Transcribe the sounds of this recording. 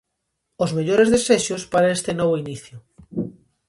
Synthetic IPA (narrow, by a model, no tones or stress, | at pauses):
ozmeʎoɾezðeseʃospaɾaest̪enoβ̞oiniθjo